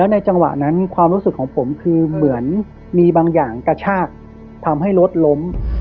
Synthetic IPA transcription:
lɛː˦˥wna˧jt͡ɕa˧ŋwa̰˨˩ʔna˦˥nkʰwaː˧mɾu˦˥sɯ˨˩kʰːɔː˩˦ŋpʰo˩˦mkʰɯː˧mɯ˩˦ən | miː˧baː˧ŋjaː˨˩ŋka˧t͡ɕʰaː˥˩k̚ | t̪ʰa˧mɦa˥˩jɾo˦˥t̪̚lo˦˥m

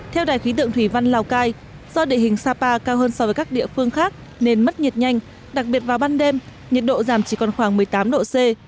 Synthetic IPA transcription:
t̪ʰɛ˧wɗaː˨˩jxwi˨˦t̪ɨ̰˧˨əŋt̪ʰwi˧˩va˧nlaː˨˩wkaː˧j | z̥ɔ˧ɗḛ˧˨hï˨˩ŋ̟saː˧paː˧kaː˧wɦəː˧nsɔ˧vəː˨˦kaː˦˥k̚ɗḭ˧˨əfɨ˧əŋxaː˦˥k̚ | ne˧nmə˦˥t̚ɲə˨˩t̚ɲa˧jŋ̟ | ɗa˨˩k̚ɓi˨˩ət̚vaː˨˩wɓaː˧nɗe˧m | ɲə˨˩t̚ɗo̰˧˨zaː˧˩mt͡ɕi˧˩kɔ˨˩nxwaː˧˩ŋmɨ˨˩əjt̪aː˨˦mɗo̰˧˨se˧

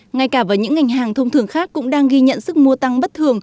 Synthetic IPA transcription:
ŋa˧˩jkaː˧˩vəː˨˩jɲɨ̰˧˥ŋːa˨˩jŋ̟haː˨˩ŋt̪ʰə˧wŋ͡mt̪ʰɨ˨˩əŋxaː˦˥kːʊ̰˧˥ŋ͡mɗaː˧ŋɣi˧ɲə̰˧˨nsɨ˦˥k̚mu˧ət̪a˧ŋɓə˦˥t̚t̪ʰɨ˨˩əŋ

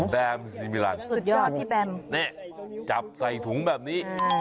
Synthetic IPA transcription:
bɛ˧mzi˧mi˧˨la̰˧˩nsɨ˨˩t̚jɔ˨˦t̪ʰi˧˩bɛ˧˩mnɛ˧˩˨t͡ɕa̰˨˩p̚za˧jt̪ʰu˨˦əŋɓɛ˨˩p̚nḭ˧˦˥

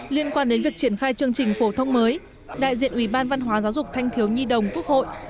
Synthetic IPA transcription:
li˧ənkwaː˧nɗe˨˦nvi˨˩ək̚t͡ɕi˧˩ənxaː˧jt͡ɕɨ˧əŋt͡ɕï˨˩ŋ̟fo˧˩t̪ʰə˧wŋ͡mməː˨˦j | ɗa̰ː˧˨jzḭ˧˨ənʔwi˧˩ɓaː˧nva˧nɦwaː˨˦zaː˨˦wzʊ˨˩k͡p̚t̪ʰa˧jŋ̟t̪ʰi˨˦əwɲi˧ɗə˨˩wŋ͡mku˦˥ək̚ho̰˧˨jʔ

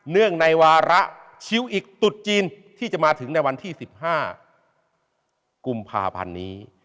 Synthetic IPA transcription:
nɯ˥˩əŋna˧jwaː˧ɾa˦˥ʔ | t͡ɕʰi˧˥wʔiː˨˩k̚t̪u˨˩t̪̚t͡ɕiː˧n | t̪ʰiː˥˩t͡ɕa˨˩ʔmaː˧t̪ʰɯ˩˦ŋna˧jwa˧nt̪ʰiː˥˩si˨˩p̚haː˥˩ | ku˧mpʰa̰ː˧pʰa̰˧nːiː˦˥

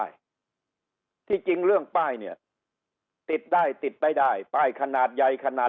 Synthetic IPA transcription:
j | t̪ʰiː˥˩t͡ɕi˧ŋɾɯ˥˩əŋpaː˥˩jni˥˩ɐ | t̪i˨˩t̪̚daː˥˩jt̪i˨˩t̪̚daː˥˩jdaː˥˩jpaː˥˩jkʰa˧naː˨˩t̪̚ja˧jkʰa˧naː˨˩

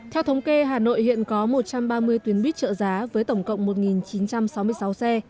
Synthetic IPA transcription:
t̪ʰɛ˧wt̪ʰə˨˦wŋ͡mke˧ɦaː˨˩no̰˧˨jhḭ˧˨ənkɔ˨˦mo˨˩t̚t͡ɕa˧mɓaː˧mɨ˧əjt̪wi˨˦ənɓi˦˥t̚t͡ɕə̰ː˧˨zaː˨˦vəː˨˦jt̪ə˧˩wŋ͡mkə̰˧˨wŋ͡mmo˨˩t̚ŋi˨˩nt͡ɕi˨˦nt͡ɕa˧msa˨˦wmɨ˧əjsa˨˦wsɛ˧

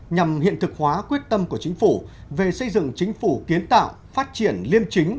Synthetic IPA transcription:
ɲa˨˩mhḭ˧˨ənt̪ʰɨ˨˩k̚hwaː˨˦kwi˦˥ət̚t̪ə˧mku˧˩ət͡ɕï˨˦ŋ̟fu˧˩ve˨˩sə˧jzɨ̰˧˨ŋt͡ɕï˨˦ŋ̟fu˧˩ki˨˦ənt̪a̰ː˧˨w | faː˦˥t̚t͡ɕi˧˩ənli˧əmt͡ɕï˨˦ŋ̟

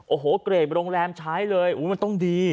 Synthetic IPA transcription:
ʔoː˨˩ɦoː˨˩˦kɾeː˨˩p̚ɾoː˧ŋɾɛː˧mt͡ɕʰa˦˥jlɤː˧jʔuː˩˦ma˧nt̪ɔ˥˩ŋdiː˧

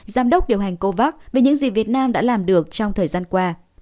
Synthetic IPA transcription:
zaː˨˦mɗə˦˥wk͡p̚ɗi˨˩əwɦa˨˩jŋ̟ko˧vaː˦˥k̚ve˨˩ɲɨ̰˧˥ŋzi˨˩vi˨˩ət̚naː˧mɗa̰ː˧˥laː˨˩mɗɨ˨˩ək̚t͡ɕɔ˧ŋ͡mt̪ʰəː˨˩jzaː˧nkwaː˧

